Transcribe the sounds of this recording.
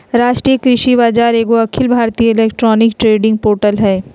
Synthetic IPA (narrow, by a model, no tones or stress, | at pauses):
ɾaːʃʈɾijəkɾɪʃibaːd͡ʒaːɾeːɡoɐkʰɪlbʱaːɾt̪iːjəɪleːkʈɾɔːnɪkʈɾeːɖɪ̃ŋɡ̚poːɾʈəlɦɛː